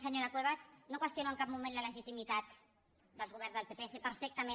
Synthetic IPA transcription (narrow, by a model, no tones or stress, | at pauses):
səɲoɾakweβasnokwəst̪jonoeŋkab̚mumẽnlaləʒit̪imit̪at̪ | d̪əlzɣuβ̞ɛɾnzðəlpepeesepəɾfek̚t̪amẽ